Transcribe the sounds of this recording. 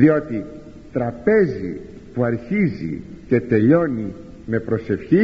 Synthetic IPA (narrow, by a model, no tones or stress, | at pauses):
ðio̞t̪i | t̪ɾɐpe̞zḭ | puɐɾçizḭce̞t̪e̞ʎo̞ni | me̞pɾo̞se̞fçi